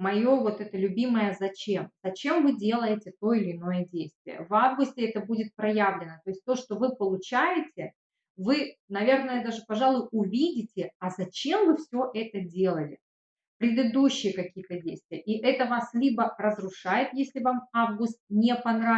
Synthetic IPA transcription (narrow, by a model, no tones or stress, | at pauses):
mɐjo̞vo̞t̪ɛt̪əlʲʉbʲiməjəzɐt͡ɕe̞mzɐt͡ɕe̞mvɨdʲe̞lˠəjɪtʲɪt̪o̞ɪlʲɪːno̞jədʲejst̪vʲɪ̰jə̰vavɡʊsʲtʲɪɛt̪əbudʲɪt̪̚pɾɐjavlʲɪnət̪o̞ɪsʲtʲt̪o̞ʂt̪o̞vɨpəlˠʊt͡ɕæjɪtʲɪ | vɨnɐvʲe̞rnəjəd̪aʐɨpɐʐalˠʊjʊʊvʲidʲɪtʲɪɐzɐt͡ɕemvɨfsʲɵʔɛt̪ədʲe̞lˠəlʲɪ | pɾʲɪd̪ɨd̪uɕːɪjəkɐkʲijət̪ədʲejst̪vʲɪjəʔiʔɛt̪əvaslʲibərəzɾʊʂajɪt̪jesʲlʲɪvamavɡʊst̪̚nʲepɐnɾa